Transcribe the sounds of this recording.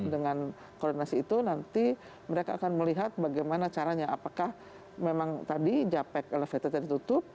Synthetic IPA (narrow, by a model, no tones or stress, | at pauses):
dəŋan | kɔrdinasiːt̪unant̪i | məɾekaːkanməliɦat̪̚baɡajmanat͡ʃaɾaɲaapakah | memaŋt̪adid͡ʒapɛkeləfet̪at̪adit̪ut̪ʊp̚